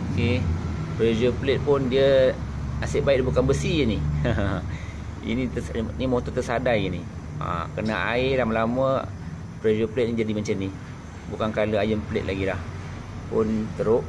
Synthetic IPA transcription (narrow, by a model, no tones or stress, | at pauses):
okepɾed͡ʒəplet̪̚pʊndiə | asəʔbaiʔdabukanbəsiini | ḭniəsnimɔt̪ɔt̪əsadajini | a̰kəna̰ʔa̰ɪlamalamə | pɾed͡ʒəplet̪̚nid͡ʒadimaɲt͡ʃəni | bukankaləajəmpəlɪ̰t̪̚laɡilah | pʊnt̪əɾʊʔ